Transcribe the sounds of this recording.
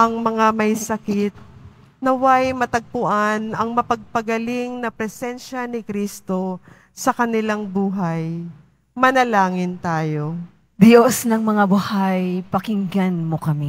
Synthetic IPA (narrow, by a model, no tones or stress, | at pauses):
ʔɐŋmɐŋamɐjsɐkɪt̪̚ | nɐwajmɐt̪ɐɡ̚pʊʔanʔɐŋmɐpɐɡ̚pɐɡɐlɪŋnɐpɾɛsɛnʃɐnɪkɾist̪o̞ | sɐkɐnɪlaŋbuːɦɐj | mɐnɐlaːŋɪnt̪aːjo̞ | d̪josnɐŋmɐŋabʊhajpɐkɪŋɡanmokɐmɛ